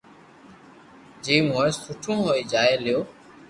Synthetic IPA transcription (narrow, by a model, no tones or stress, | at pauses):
d͡ʒiːmoːessʊʈʰũːɦoːiːd͡ʒaːeːlɪjoː